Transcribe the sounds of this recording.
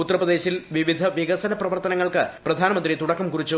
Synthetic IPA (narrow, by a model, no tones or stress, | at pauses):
ut̪ːɐrɐprɐðd̪e̞ːɕilʋiʋid̪ʱɐʋiɣɐsɐnɐprɐʋɐrt̪ɐnɐŋːɐɭkɨprɐd̪ʱaːnɐmɐnd̪rit̪uɽɐkːɐmkurit͡ɕːu